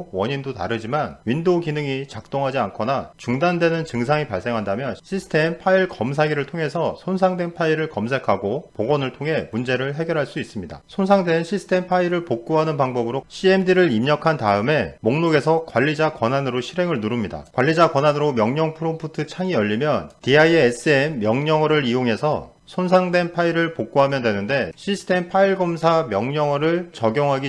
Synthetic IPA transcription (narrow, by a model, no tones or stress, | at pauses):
wʌɲindotaɾɯd͡ʑimanɥindoɡinɯŋit͡ɕak̚t͈oŋɦad͡ʑiankʰʌnat͡ɕuŋdandwe̞nɯnt͡ɕɯŋs̬ʰaŋipaɭs͈e̞ŋɦandamjʌɕʰisʰɯ̥tʰe̞mpʰaiɭkʌms̬ʰaɡiɾɯɭtʰoŋɦe̞sʰʌsʰons̬ʰaŋdwe̞npʰaiɾɯɭkʌmsʰe̞kʰaɡopoɡʌnɯɭtʰoŋɦe̞mund͡ʑe̞ɾɯɭɦe̞ɡjʌɾɦaɭs͈uis͈ɯmɲida̰sʰons̬ʰaŋdwe̞nɕʰisʰɯ̥tʰe̞mpʰaiɾɯɭpok̚k͈uɦanɯnpaŋbʌbɯɾoɕʰie̞mdiɾɯɾimɲʌkʰantaɯme̞moŋnoɡe̞sʰʌkwaʎːid͡ʑakwʌnanɯɾoɕʰiɾe̞ŋɯɭnuɾumɲida̰kwaʎːid͡ʑakwʌnanɯɾomjʌŋɲʌŋpʰɯɾompʰutʰɯt͡ɕʰaŋiʌʎːimjʌntiaieːs͈ɯemːjʌŋɲʌŋʌɾɯɾijoŋɦe̞sʰʌ | sʰonsʰaŋdwe̞npʰaiɾɯɭpok̚k͈uɦamjʌndwe̞nɯnde̞ɕʰisʰɯ̥tʰe̞mpʰaiɭɡʌmsʰamjʌŋɲʌŋʌɾɯɭt͡ɕʌɡjʌŋɦaɡi